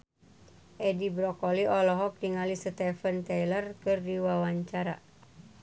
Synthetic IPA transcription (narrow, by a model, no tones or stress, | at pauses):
ʔɛdibɾɔkɔliʔɔlɔɦɔk̚diŋalisət̪ɛfənt̪ɛjlərkɨrdiwawaɲt͡ʃaɾa̰